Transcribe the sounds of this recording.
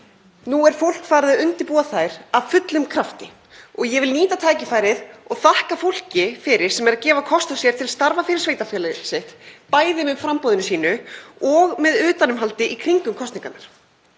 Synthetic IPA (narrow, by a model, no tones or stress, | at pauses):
nuɛɾ̥fowl̥kfaːɾðʏʏnt̪ɪpuːaθajɾ̥avfʏt̪lʏmkʰɾaft̪ɪ | ɔɣjɛvɪlniːt̪at̪ʰaːjcɪfaːjɾɪðɔɣθahkafowl̥cɪfɪɾɪɾ̥sɛmɛɾaðcɛːvakʰɔst̪asjɛɾ̥t̪ʰɪlast̪aɾvafɪɾɪɾ̥sveːjt̪afɛlɪseht̪paːjðɪmɛðfɾampowðɪnʏsiːnʏɔɣmɛðʏːt̪anʏmɦalt̪ɪʔikʰɾiŋkʏmkʰɔst̪niŋkanaɾ̥